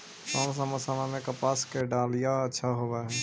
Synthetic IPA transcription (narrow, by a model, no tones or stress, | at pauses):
sɔːms̬aməsanãmẽkɐpaːskeɖaːlijaɐtːʃʰaɦoːaɦɛː